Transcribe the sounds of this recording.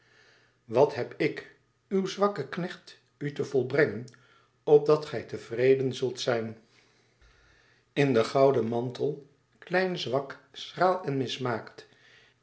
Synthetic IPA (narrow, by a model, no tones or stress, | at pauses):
ʋɑtɦɛpɪk | ywzʋɑkəknɛχt | ytəvɔlˠbrɛŋən | ɔp̚dɑtχɛjtəv̥rejdənzɵlˠtsɛjn | ɪndəχɑwdəmɑntəlˠ | klɛjnzʋɑksraːlˠɛnmɪsmaːkt